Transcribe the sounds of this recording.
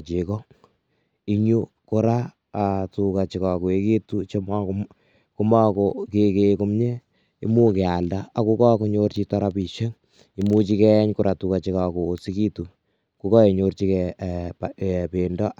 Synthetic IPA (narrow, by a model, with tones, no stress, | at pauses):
t͡ʃe˨kɔ˦ | i˦ɲu˦ | kʊ˦ɾaː˦˨ | tuka˨t͡ʃi˨ka˨ku˨e˦ke˦tu˦t͡ʃo˦m | ku˦ma˦ko˨kekeku˦mɲe˦ | ḭ˦mu˦kɛ˨a˨lda˦a˨ku˦kɔ˦ku˦ɲort͡ʃi˦ta˦ɾa˦pi˨ʃe˦ŋ | i˨mu˦t͡ʃi˦kɛ˦ɲkuɾʔa˨tu˨ka˨t͡ʃi˦ka˨kuː˨si˦ki˦tu˨ | ku˨˦kɔ˦e˨ɲort͡ʃi˦kɛppe˨ndɔ˦